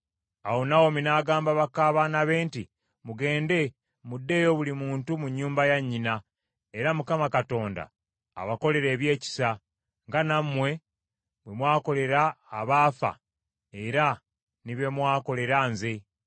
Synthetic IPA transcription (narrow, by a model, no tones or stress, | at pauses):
awo̞nawo̞minaːɡaːmbaβakːaːβanaβe̞ːnti | muɡe̞ːnde̞ | mudːe̞ːjo̞βulimuːntumuɲːuːmbajaɲːina | e̞ɾamukamakato̞ːnda̰ː | βako̞le̞ɾe̞ːβje̞ːci̥sa | ŋɡanamːwe̞ | βwe̞mwaːko̞le̞ɾaːβaːfa̰ | eɾa | niβe̞mwaːko̞le̞ɾaːnze̞